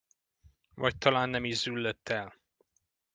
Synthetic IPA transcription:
vɒc̚t̪ʰɒlaːnːɛmiʒzylːøt̪ːɛl

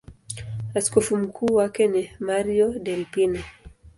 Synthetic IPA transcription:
askɔfum̩kʰuːwakɛnimaɾiɔdɛlpinɛ

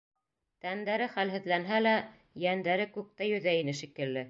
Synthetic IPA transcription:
t̪ænd̪æɾɘχælɦɘ̆ðlænɦælæ | jænd̪æɾɘkʉk̚t̪æjɵ̆ðæinɘʃikɘ̆lːɘ

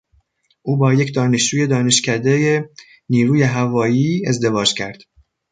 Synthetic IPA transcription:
ʔuːbɒːje̞cd̪ɒːne̞ʃd͡ʒuːje̞d̪ɒːne̞ʃcʰʲæd̪eje | niːɾuːje̞ɦævɒːjiːezd̪e̞vɒːd͡ʒcʰæɾd̪̥

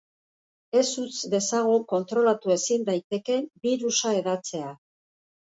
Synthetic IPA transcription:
e̞sut͡sd̪e̞saɣuko̞nt̪ɾo̞lat̪ue̞sind̪ajt̪e̞ke̞mbiɾusae̞ðat͡se̞a

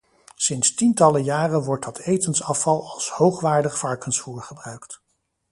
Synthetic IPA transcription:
sɪnstintɑləjaːrənʋɔɹt̚dɑtʰejtənsɑfɑlˠɑlˠshowχʋaːɹdəχfɑɹkənsfuːɹχəbrœɥkt

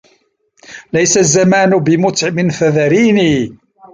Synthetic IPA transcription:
lajsazːamaːnʊbɪmʊt̪ʕmɪnfaðaɾiːniː

